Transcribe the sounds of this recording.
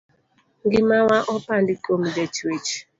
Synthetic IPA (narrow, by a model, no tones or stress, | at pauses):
ŋɡimawaʔɔpandikomdɛtʰwet͡ʃ